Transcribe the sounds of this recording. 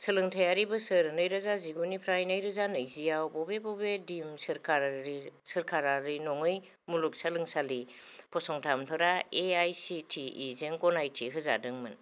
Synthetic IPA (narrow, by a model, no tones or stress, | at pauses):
sɐlɯŋtʰajaɾibɯsɯɾnɯjɾazaziɡunipʰɾajnɯjɾɯzanɯjzijawbɔbebɔbedimsɯɾkʰaɾɾisɐɾkʰaɾaɾinɔŋɯj | muluk̚salɯŋsalipʰɔsɔŋtʰamtʰaɾaeajsitʰiːzeŋkɔnajtʰiɦɯza̰dɯŋmɯn